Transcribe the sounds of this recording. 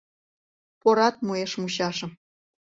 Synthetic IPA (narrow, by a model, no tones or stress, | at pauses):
poɾɑt̪̚mueʃmuɕɑʃɤ̆m